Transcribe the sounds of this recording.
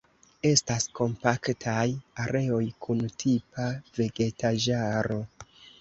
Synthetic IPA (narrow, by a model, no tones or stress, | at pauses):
e̞stasko̞mpaktʰajaɾe̞o̞jkʰuntʰipave̞ɡe̞taʒaɾo̞